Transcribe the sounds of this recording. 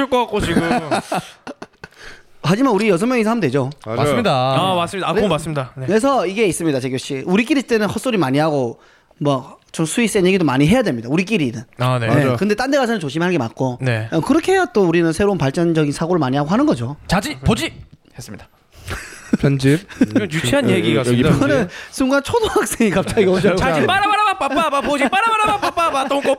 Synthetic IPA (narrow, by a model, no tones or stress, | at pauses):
ok͈oak͈ot͡ɕiɡu | ɦad͡ʑimanuɾijʌsʰʌŋmjʌŋisʰʌhamndwe̞d͡ʑoasmɲidaamas͈ɯmɲidakmas͈ɯmɲidaekes̬ʰʌiɡe̞is͈ɯmɲidat͡ɕeɡjoɕ͈iuɾik̬͈iɾit͈enɯnhʌs͈oɾimaɲiɦaɡo | mwʌt͡ɕomsʰuis͈enje̞ɡidomaɲiɦe̞jadwe̞mɲidauɾik̬͈ʼiɾinɯnaneekɯnde̞t͈andeɣasʰʌnɯnt͡ɕoɕʰimɭɦanɡe̞ma̰k̚k͈oneʌkɯɾʌkʰeɦejat͈ouɾinɯnsʰe̞ɾounpaɭt͡ɕ͈ʌnd͡ʑʌɡinsʰaɡoɾɯɭmaɲiɦaɡoɦanɯnɡʌd͡ʑot͡ɕad͡ʑipod͡ʑi | hes͈ɯmɲid̥a | pʌnd͡ʑip̚jut͡ɕʰianeɡiɡaɡkɯʌnɯnsʰuŋɡant͡ɕʰodohak̚s͈eŋikap̚t͡ɕ͈aɡiʌt͡ɕaad͡ʑipaɾaaɾaap͈aabapod͡ʑipaɾamaɾaap͈ap͈abat͈oko